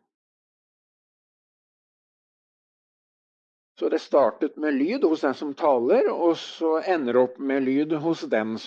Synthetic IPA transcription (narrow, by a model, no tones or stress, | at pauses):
sɔd̪ɛst̪ɑːʈət̪meːlyːd̪hʊsd̪æɪsɔmt̪ʰɑːləɾɔsɔɛnːəɾɔpːmeːlyːd̪ɦʊsd̪ɛns